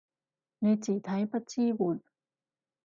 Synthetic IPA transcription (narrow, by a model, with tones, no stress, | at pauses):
na˧jt͡ɕiː˨˩t̪ʰa˧˥˦jpa˧t͡ɕiː˧bu˨˩n